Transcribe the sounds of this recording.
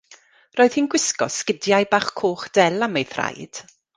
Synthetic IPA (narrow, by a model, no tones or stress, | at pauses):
roːɨð̥hiːnɡwɪskɔ̰skɪdjajbaːχkʰoːχd̥ɛlˠamejθra̰jd̥